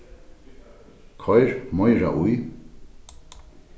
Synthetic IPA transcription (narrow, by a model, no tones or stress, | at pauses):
kʰɔjɾmɔjɾa̰ʔuj